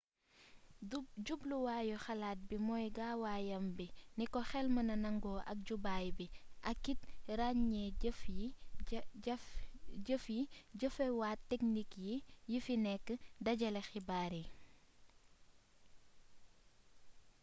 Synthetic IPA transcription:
ɟubluwaːjɔxɐlaːt̚bimɔːjɡaːwaːjɐmbinikɔxɛlmɐnɐnɐŋɡɔːʔɐk̚ɟubaːjbiʔɐkːitɾaɲɲɛf | ɟəfjiɟəfɛwaːtːɛk̚nikjijifinɛkːədɐɟɐlɛxibaːɾi

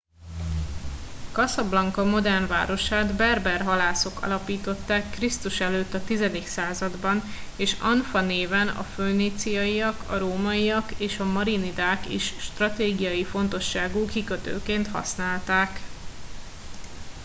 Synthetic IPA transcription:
kɒsɒblɒŋkɒmo̞d̪ɛrnva̰ːɾo̞ʃaːd̪bɛrbɛrɦɒlaːso̞kɒ̰lɒpiːt̪o̞t̪ːaːkːrist̪uʃɛløːt̪ːɒt̪izɛd̪iksaːzɒd̪bɒneːʃɒ̰nfɒneːvɛnɒ̰føːniːt̪sijɒijɒkɒ̰ɾoːmɒijɒkeːʃɒmɒɾinid̪aːkḭʃʃt̪rɒt̪eːɡijɒjifo̞nt̪o̞ʃːaːɡukikø̞t̪ø̰ːkeːnt̪hɒ̰snaːlt̪aːk

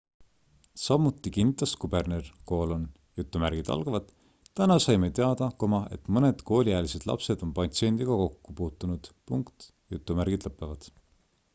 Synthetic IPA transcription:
sɑmut̪ːˑikinːit̪ˑːɑst̪kub̥e̞rnerko̞ːlo̞n | jut̪ːˑumæɾɡ̥id̪̥ɑ̰lɡ̥ɑvɑd̪̥ | t̪ænɑsɑjme̞t̪eɑd̪̥ɑkomɑe̞̰t̪mɤne̞d̪̥ko̞ːlʲiæːlise̞d̪̥lɑ̰pse̞d̪̥o̞npɑt̪sie̞nd̪iɡ̥ɑko̞kːupuːt̪ːˑunud̪̥puŋkt̪ | jut̪ːˑumærɡ̥id̪̥lɤpːˑevɑd̪̥

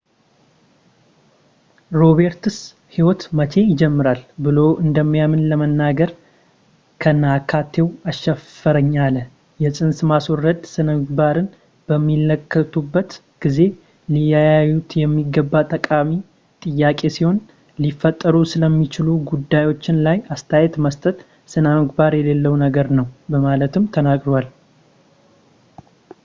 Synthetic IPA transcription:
ɾo̞βe̞ɾt̪ɨs | hiwɔt̪mət͡ʃʰe̞jɪd͡ʒɛmːɨɾalbɨlo̞wʔɨnd̪əmːijamɨnləmənːaɡəɾ | kʰənakʰat̪ʰːe̞waʃɛfəɾəɲːalə | jɛsʼɨnsmaswɔɾːəd̪sɨnəmɨɡ̚baɾɨn | b̥əmːiləkʰːət̪ʰubːət̪ | ɡ̥ize̞ | lijajajut̪jɛmːiɡːəbːat̪ʼəkʼami | t̪ʼɨjːakʼe̞siho̞n | lifːət̪ʼːəɾusɨləmːit͡ʃɪluɡud̪ːajwo̞t͡ʃːɪnlajast̪ʰajɛt̪məst̪ʼət̪ | sɨnəmɨɡbaɾjɛlelːəwnəɡəɾnəwbəmalət̪ɨmt̪ʰənakʼɾwal

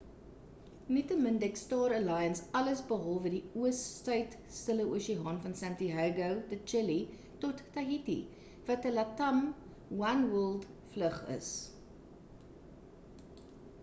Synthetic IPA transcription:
nitəməndɛkstɑːɾəlɑjənsɐləsbəɦɔlˠvədiuəstəɥt | stələʔuəʃiɦɑːnfɐnsæntiɦɛɡəwdət͡ʃəli | tɔtːɐɦitḭ | vɐtəlɐtɐm | wɐnwəlˠdfləχə̰s

